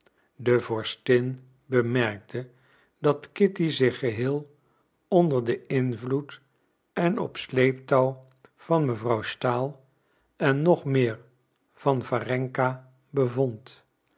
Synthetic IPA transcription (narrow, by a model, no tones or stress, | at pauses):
dəvɔɹstɪn | bəmɛrk̚tʰə | dɑtkɪtizɪχəɦɪːlˠ | ɔndəɹdəɪnvlut | ɛnɔ̰pslejptɔw | v̥ɑnməvrʌwstaːlˠ | ɛnːɔχmɪːɹ | v̥ɑnvarɛŋka | bəvɔnt